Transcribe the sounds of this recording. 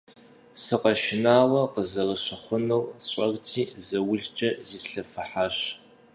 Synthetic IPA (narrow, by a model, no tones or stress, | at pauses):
sɨqɐʃɪnaːwɐqəzɐrəɕɪχʷʊnɐwɕʼɐrtʰiːzɐwʊɮt͡ʃʼɐziːsɬɐfɨħaɕ